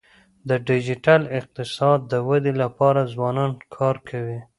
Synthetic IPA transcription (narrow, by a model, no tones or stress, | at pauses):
d̪əɖɪd͡ʒɪʈalɪq̚t̪ɪsɑd̪̚ːəwad̪elapɑɾazwɑnɑnkʰɑɾkʰawi